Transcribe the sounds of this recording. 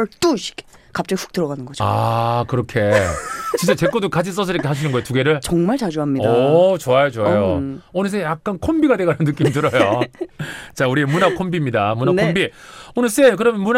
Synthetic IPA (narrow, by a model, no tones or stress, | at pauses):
ɭt͈uɕi̥k | kap̚t͡ɕ͈ʌɡiɸu̥k̚t͈ɯɾʌɡanɯnɡʌd͡ʑoa̰kɯɾʌkʰe̞t͡ɕint͡ɕ͈at͡ɕe̞k͈odokad͡ʑʰis͈ʌs̬ʰɯiɾikʰehaɕʰinɯnɡʌetuɡe̞ɾɯɭt͡ɕʌŋmaɭt͡ɕad͡ʑuamɲidʌat͡ɕoajot͡ɕoajoonɯs̬͈ejak̚k͈ankʰombiɡadwe̞ɡananːɯk͈imit̬ɯɾʌjo | t͡ɕauɾiemunakʰombimɲidamunankʰombionɯs͈e̞k̬ɯɾʌmjʌnmun